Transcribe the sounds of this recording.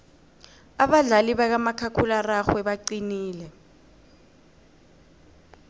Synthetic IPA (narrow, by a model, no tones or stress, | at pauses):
aɓaɮaliɓak̬amakʰakʰularaxwɛɓaǀiniːlɛ